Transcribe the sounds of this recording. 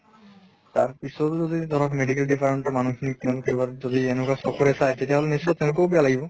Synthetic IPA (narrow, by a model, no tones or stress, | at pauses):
taɹpisɔtzɔdid̪ʱɔɹɔkmeɖikɛldipʰaɹantɔmanukʰinik̚tɛnkejbazɔdiɛnɛkasɔkʰɔɹɛsajtetiaɦɔlɛnisːɔtːɛʊ̃lʊkobijalaɡibɔ